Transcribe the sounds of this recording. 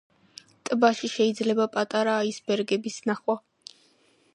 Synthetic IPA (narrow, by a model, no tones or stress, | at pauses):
t̪ʼbaʃiʃɛid̪zlɛbapʼat̪ʼaɾaːisbɛɾɡɛbisnaχwa